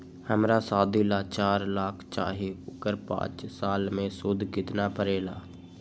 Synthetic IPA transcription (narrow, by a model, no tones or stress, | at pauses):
həmɾaːsaːd̪ʱiːlaːt͡ʃaːɾlaːkʰt͡ʃa̰ːɦiʊkəɾpã̰ːt͡ʃsaːlmẽːsʊd̪ʱkɪt̪naːpəɾeːlaː